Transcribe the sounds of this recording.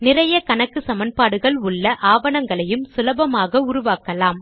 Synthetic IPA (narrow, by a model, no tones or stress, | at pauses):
nɪrɐjɐkɐɳɐkːɯsɐmɐnpaːɽɯɣɐɭʊɭːɐʔaːʋɐɳɐŋɡɐɭɐjɯmsɪlɐbɐmaːɣɐʊɾʊʋaːkɐlaːm